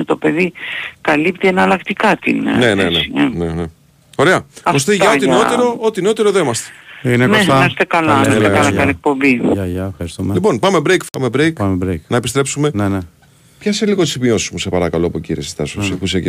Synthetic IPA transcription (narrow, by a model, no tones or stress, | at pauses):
t̪o̞pe̞ðikɐlipt̪ienɐlɐkt̪ikɐt̪ḭnne̞neeenene | o̞ɾe̞ɐkost̪iʝɐot̪inot̪eɾoot̪ino̞t̪eɾoðeimɐst̪e̥ineknesɐest̪ekɐlɐeekɐlɐɐnek̚po̞mbiɐʝɐefxɐɾist̪umelipo̞npɐme̞bɾejkpɐmebɾejkɐmebɾejknɐepi̥st̪ɾe̞psume̞nene | pçɐseliɣo̞t̪izmio̞sizmuse̞pɐɾɐkɐloɐpocḭɾiesi̥st̪ɐ̰sosepusek